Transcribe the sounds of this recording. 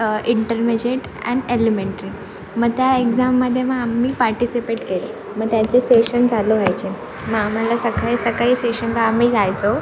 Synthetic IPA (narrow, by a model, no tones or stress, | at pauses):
iɳʈəɾmed͡ʑeʈ | ɛ̰̃nelemeɳʈɾi | məɡ̚t̪jaekd͡zamːəd̪ʱːjeməɡamiːpaɾʈisipeʈkele | məɡ̚t̪jat͡seseɕənd͡zʱaloʋajt͡ɕe | məam̤alasəkaisəkaɦiːseɕənkaːm̤iːd͡zajt͡so